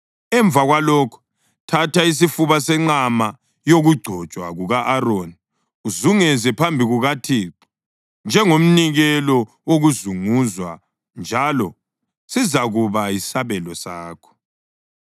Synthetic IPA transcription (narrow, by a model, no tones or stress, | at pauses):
ɛɱvaɣwalɔːkʰɔ̥ | tʰatʰais̬ifuβasɛŋ͡ǀama | joɣuɡ͡ǀʱɔ̥t͡ʃʼwa̰ɣuɣaʔaɾoni | uzuŋɛzɛpʰambʱiɣuɣatʰiːǀi̥ | nd͡ʒʱɛŋom̩niɣɛlɔ | woɣuzuŋuzwa | nd͡ʒʱalɔ | sizaɣuβajisaβɛlɔsaːkʰɔ̥